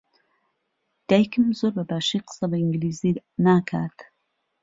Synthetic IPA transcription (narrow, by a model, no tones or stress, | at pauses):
d̪̥aːjkɨmzoːɾbɐbaːʃijqɨ̥sabɐiŋɡliːziːnaːkʰaːt̪